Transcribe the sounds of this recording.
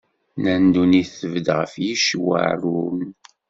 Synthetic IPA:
nænd̪uniθəvəd̪ʁəfjiʃwa̰ɾun

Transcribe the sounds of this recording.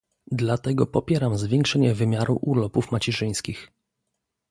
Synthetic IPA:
d̪lat̪ɛɡɔpɔpʲjɛɾamzvʲjɛŋkʂɛɲɛvɘmʲjaɾṵʔulɔpufmat͡ɕɛʐɘj̃skʲix

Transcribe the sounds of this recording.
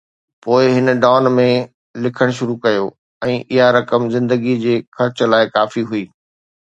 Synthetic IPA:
poːɪɦɪnəɖaːnmẽ | lɪkʰəɽ̃ʃʊɾukɐjoː | ɛ̃ːʔɪɦaɾɐkəmzɪ̃nd̪əɡid͡ʑeːxɐɾt͡ɕʊlaːɪkaːfiɦuiː

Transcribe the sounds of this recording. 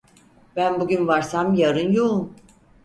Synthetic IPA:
b̥ænbuɟʲynvaɾsamjaɾɯnjoum

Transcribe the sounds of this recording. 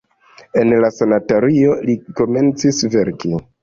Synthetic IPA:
e̞nlasanataɾio̞liko̞me̞nt͡sisve̞ɾki

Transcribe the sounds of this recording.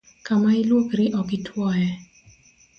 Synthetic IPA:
kamailwokɾiʔɔkitʰwɔjɛ

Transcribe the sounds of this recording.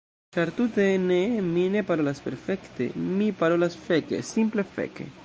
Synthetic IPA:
t͡ʃaɾtute̞nemine̞paɾo̞laspe̞ɾfe̞kte̞̰mipaɾo̞lasfe̞kḛsimple̞fḛkḛ

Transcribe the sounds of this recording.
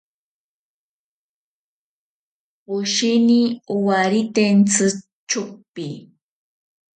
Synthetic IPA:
ɢʊʃiniʊwaɾit̪ent͡sɨ | t͡ʃʊq̚pi

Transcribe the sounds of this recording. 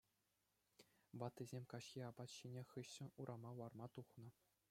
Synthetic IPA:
bɑt̪ːizʲemʲkɑɕxʲiɑbɑt̪ɕinʲeχɯɕːɘ̆uɾʔɑmɑwɑrmɑt̪uχnɤ̆

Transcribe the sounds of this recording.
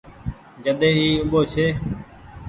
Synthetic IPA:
d͡ʒəɗ̪ẽːiːʊɓoːt͡ʃʰeː

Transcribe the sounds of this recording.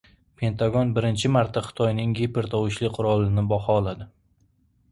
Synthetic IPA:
pʰe̞nt̪ʰaɡɒnbɪɾɪnt͡ʃʰɪmaɾt̪ʰːaχɨ̥t̪ʰɒjnɪŋɡepɪɾt̪ʰɒwɪʃlɪqʰʊɾɒlˠɪnɪbɒχɒːlˠad̪ɪ

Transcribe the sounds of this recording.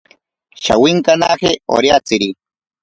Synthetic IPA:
ʃa̰wiŋkana̰xeo̰ɾjat͡siɾi

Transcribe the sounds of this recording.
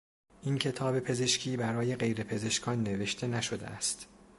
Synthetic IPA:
ʔincʰe̞t̪ʰɒːbe̞pʰe̞ze̞ʃcʰiːbæɾɒːje̞ɣe̞jɾe̞pʰe̞ze̞ʃkʰɒːnːe̞ve̞ʃt̪ʰe̞næʃod̪ḛæ̰st̪

